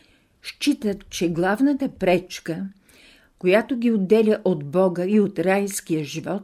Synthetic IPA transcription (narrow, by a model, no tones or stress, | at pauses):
ʃt͡ʃit̪ət̪t͡ʃɛɡlˠavnət̪əpɾɛt͡ʃkə | kojat̪oɡʲiod̪ːɛlʲəʔod̪bɔɡəiot̪ɾajskijəʒivɔt̪